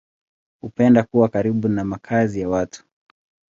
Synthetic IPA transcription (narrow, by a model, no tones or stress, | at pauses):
hupɛndakuwakaɾiɓunamakʰazijawatʰu̥